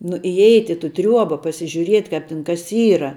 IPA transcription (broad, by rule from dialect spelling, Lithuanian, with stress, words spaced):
nʊ ɪˈɛɪtʲ ɪ tʊ ˈtʲrʲuɔbɐ pɐsʲɪʒʲʊˈrʲiɛtʲ ˈkɑːp tʲɪn kɐs ˈiːrɐ